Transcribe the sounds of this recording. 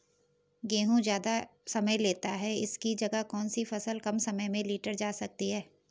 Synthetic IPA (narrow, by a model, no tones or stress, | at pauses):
ɡẽːɦũd͡ʒjaːd̪asɐməjleːt̪aɦɛɪ̰skid͡ʒɐɡakɔːnsifɐsəlkɐmsɐməjmẽliːʈəɾd͡ʒaːsɐk̚t̪iɦɛː